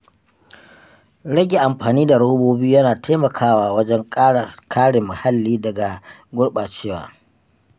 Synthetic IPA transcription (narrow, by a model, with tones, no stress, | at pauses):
ɽɐ˦ɡʲe˨ʔa˨mɸaː˨niː˦da˨ɽɐ˦hʊ˦boː˦biː˦jɐ˦naː˨tʰeː˦mɐ˨kʰaː˦waː˦wɐ˦d͡ʒɛ˦ŋkʼːkʰaː˦ɽɪ˨mːa˨ha˦lːiː˦dɐ˨ɡa˨ | ɡʷʊ˦ɽɓa˨t͡ʃeː˦wa̰ː˨